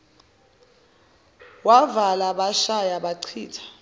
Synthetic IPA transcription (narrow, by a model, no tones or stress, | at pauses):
wavalaɓaʃajaɓaǀʰiːtʰḁ